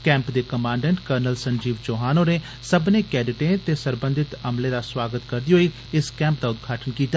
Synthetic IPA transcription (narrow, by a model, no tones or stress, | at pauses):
kɛ̃ːmpd̪eːkəmãːɳɖɛ̃ɳʈkəɾnəlsəɲd͡ʒiːʋd͡ʒoːɦaːnoːneː | səbnẽːkɛːɖɪʈẽːt̪eːsəɾbə̃nd̪ʱɪt̪əmleːd̪aːswaːɡət̪kəɾd̪iːɦoːiː | ɪskɛ̃ːmp̚d̪aːʊd̪ɡʱaːʈʰənkiːt̪aː